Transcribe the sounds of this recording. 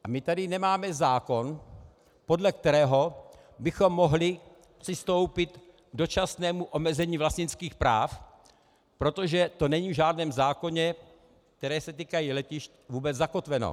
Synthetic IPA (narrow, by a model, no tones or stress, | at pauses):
ʔamɪt̪adɪnɛmaːmɛzaːko̞n | po̞dlɛk̚t̪ɛɾɛːɦo̞ | bɪxo̞mːo̞ɦlɪ | pr̥ɪst̪o̞wpɪt̪ | ɡ̚do̞t͡ʃasnɛːmuʔo̞mɛzɛɲiːvlasɲɪnskiːxpɾa̰ːf | pɾo̞t̪o̞ʒɛt̪o̞nɛɲiːvʒaːdnɛːmzaːko̞ɲɛ | k̚t̪ɛɾɛːsɛt̪iːkajilɛcɪʃt̪vuːbɛd͡zzako̞t̪vɛno̰